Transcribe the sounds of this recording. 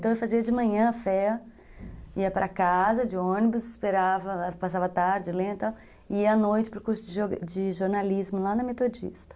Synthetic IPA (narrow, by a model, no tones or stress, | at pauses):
t̪ɐ̃w̃ewfaziɐd͡ʒɪmɐ̃ɲɐ̃ɐfɛɐ | iɐpɾʔɐkazɐd͡ʒɪõnɪbʊsɪspeɾavɐpasavɐat̪aɾd͡ʒɪlẽd̪t̪aw | ɪiɐanojt͡ʃɪpɾʊkuɾsʊd͡ʒɪʒod͡ʒɪʒoɾnalizmʊlanɐmet̪od͡ʒḭst̪ɐ̥